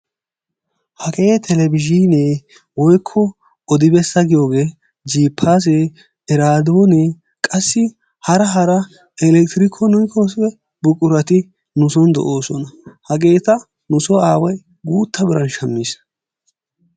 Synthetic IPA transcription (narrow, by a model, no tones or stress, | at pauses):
hɐkʼeːt̪ʰɛlɛbɪʒiːneː | wɔjkʰːɔ | ɔd̪ɪbɛsːɐɡɪjo̞ːɡe̞ː | d͡ʒiːpʰːaːs̬eː | ɛɾaːd̪oːne | kʼɐsːɪ | hɐɾɐɦɐɾɐ | ɛlɛk̚t̪ɪɾɪkʰɔnɔjkosɛ | bʊkʼʊɾɐt̪ɪ | nʊsɔnd̪ɔ̰ʔo̞ːsɔnɐhɐɡe̞ːt̪ɐ | nʊsɔaːwɐj | ɡuːt̪ːɐbɪɾɐnʃɐmːiːs